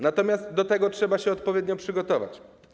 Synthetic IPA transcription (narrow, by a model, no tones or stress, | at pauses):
nat̪ɔmʲjast̪d̪ɔt̪ɛɡɔtʂɛbaɕɛɔt̪pɔvʲjeɛd̪ɲɔpʂɘɡɔt̪ɔva̰t͡ɕ